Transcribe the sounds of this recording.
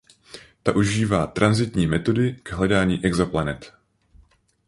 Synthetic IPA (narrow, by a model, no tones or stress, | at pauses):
t̪aʔuʒiːvaːt̪ɾʔanzɪt̪ɲiːmɛt̪o̞dɪkɛɦlɛdaːɲiːʔɛɡzoplanɛt̪